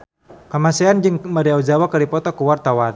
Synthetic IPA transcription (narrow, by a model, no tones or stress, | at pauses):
kamasɛand͡ʒɨŋmaɾiaud͡ʒawakaɾipɔt̪ɔkuwart̪awan